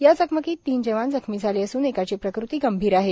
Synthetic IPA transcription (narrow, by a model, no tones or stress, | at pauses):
jad͡zəkʰməkiːt̪ːiːnd͡ʑeʋãnd͡zəkʰmiːd͡zʱaliːəsuːnekat͡ɕiːpɾəkɾut̪iːɡəmbʱiːɾaɦe